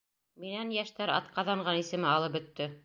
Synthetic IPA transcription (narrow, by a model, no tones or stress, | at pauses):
minænjæʃt̪æɾɑ̰t̪qɑðɑɴʁɑnisɘ̆mɘɑlˠɤp̚bɵ̆t̪ːɘ